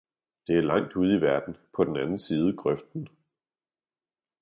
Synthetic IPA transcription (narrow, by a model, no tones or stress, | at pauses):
d̥e̝æɐlɑ̈ŋ̰d̥uð̞̰ˠiʋæɐd̥n̩pʰɒ̽d̥en̩ænn̩siːð̞ˠəɡ̥ʁœfd̥n̩